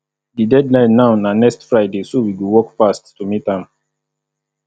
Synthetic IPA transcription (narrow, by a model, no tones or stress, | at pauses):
didɛdlãɪnnːaʊnanɛkstfɹaɪdesowiɡuwɔkfastːumitãm